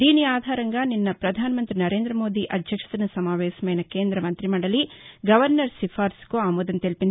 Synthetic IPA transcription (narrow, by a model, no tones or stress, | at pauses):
d̪iːniaːd̪ʱaːɾɐŋɡaninːɐpɾɐd̪ʱaːnɐmɐnt̪ɾinɐɾe̞ːnd̪ɾɐmo̞ːd̪iʔɐd̪ʱjɐkʂɐ̥t̪inɐsɐmaːʋɛːsɐmɛːnɐkeːnd̪ɾɐmɐnt̪ɾimɐɳɽɐliɡɐʋɐɾnɐɾsifʰaːɾskuaːmoːd̪ɐnt̪elpin